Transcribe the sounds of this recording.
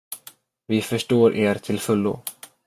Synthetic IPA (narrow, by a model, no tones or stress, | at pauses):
vɪfœʂʈoːɾʔeːɾt̪ʰɪlfɵlːʊ̰